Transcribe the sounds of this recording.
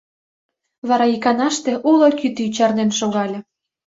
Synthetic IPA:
βɑɾɑikɑnɑʃt̪ĕʔulokyt̪it͡ɕɑrnenʃoɣɑlʲɤ̆

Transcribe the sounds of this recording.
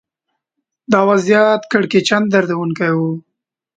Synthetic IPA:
d̪ɑwazjɑt̪kəɽket͡ʃand̪d̪aɾd̪awunkajwu

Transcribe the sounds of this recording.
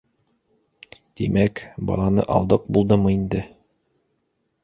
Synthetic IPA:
d̪̥imækbɑ̰lˠɑnɤ̰ʔɑ̰lˠd̪ɤq̚bulˠd̪ɤmɤind̪ɘ

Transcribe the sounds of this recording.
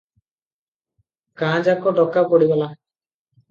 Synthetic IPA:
kãd͡ʒakɔɖɔkapɔɽibala

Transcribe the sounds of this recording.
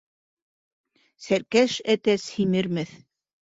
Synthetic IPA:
sæɾkæʃæt̪æshimɘ̆ɾmɘθ

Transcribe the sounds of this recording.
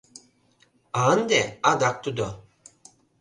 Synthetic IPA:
and̪ɛad̪ak̚t̪ud̪ɔ

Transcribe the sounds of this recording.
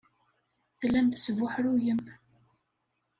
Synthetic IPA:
θlːæmt̪svʊħɾujəm

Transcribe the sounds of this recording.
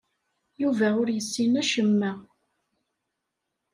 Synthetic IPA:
juvæʊɾjəsːinæʃəmːæ

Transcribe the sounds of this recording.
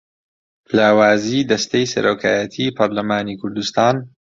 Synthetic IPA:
laːwaːziːd̪ɐst̪ejsɐ̰ɾoːkʰaːjɐt̪ʰiːpʰɐɾlɐmaːnikʰʊɾd̪ust̪aːn

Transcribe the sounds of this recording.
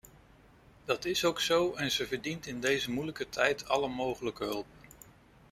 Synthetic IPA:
d̥ɑtɪsowksowɛnzəvəɹdintɪndejzəmujləkətʰɛjtʰɑləmowχələkəɦɵlˠp̚

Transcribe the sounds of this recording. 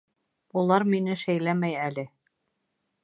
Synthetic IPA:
ulˠɑɾminɘʃæjlæmæjælɘ

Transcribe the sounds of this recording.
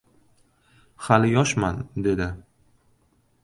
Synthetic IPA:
χalɪjɒʃmand̪e̞d̪ɪ

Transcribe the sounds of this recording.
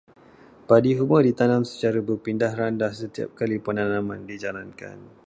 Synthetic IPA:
padiɦumədit̪anãmsə̥t͡ʃaɾabərpindahrandasət̪ia̰p̚kalipənanãmãndid͡ʒalanka̰n

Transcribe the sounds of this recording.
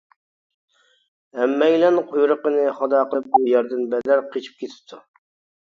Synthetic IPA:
ɛmːɛjlɛnqʰojɾəqənɨχɑd̪ɑːqəlˠɨp̚bujɛɾd̪ɨnbɛd̪æɾqʰet͡ʃʰi̥p̚kʰʲet̪ʰɪ̥p̚t̪ʰu

